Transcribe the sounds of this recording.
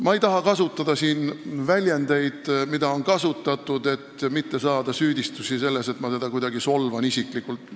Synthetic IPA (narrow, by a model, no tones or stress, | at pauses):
mɑejt̪ɑɦɑkɑsut̪ːˑɑd̪̥ɑsiːnvælʲjend̪e̞jd̪̥mid̪̥ɑo̞nkɑsut̪ːˑɑt̪ːˑud̪e̞t̪ːmit̪ːe̞sɑːd̪̥ɑsyːd̪ist̪usise̞lːe̞se̞t̪ːˑmɑt̪e̞d̪̥ɑkujd̪̥ɑɡiso̞lvɑnisiklikult̪ːˑ